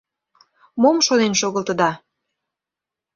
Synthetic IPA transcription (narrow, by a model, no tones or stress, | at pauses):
momʃonenʃoɣəlt̪ə̆d̪ɑ